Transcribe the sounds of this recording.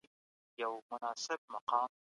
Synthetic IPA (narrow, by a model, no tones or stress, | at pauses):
jawmʊnaːsˤɨb̚mɑqɑːm